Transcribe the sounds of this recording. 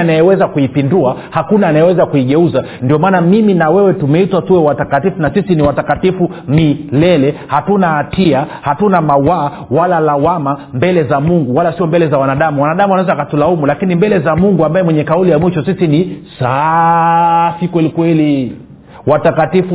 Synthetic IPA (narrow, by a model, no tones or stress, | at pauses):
anajɛwɛzakuipinduahakunaːnajɛwɛzakuiɠɛuza | ndiɔmaːnamiminawɛwɛtumɛitwatuwɛwatakatifunasisiniwatakatifu | milɛlɛhatunaːtiahatunamawaː | walalawamambɛlɛzamuŋɡuwalasiɔmbɛlɛzawanaɗamuwanaɗamuanawɛzakatulaumulakinimbɛlɛzamuŋɡuambajɛwɛɲɛkaulijamwiʃɔsisinisa | sikwɛlikwɛli | watakatifu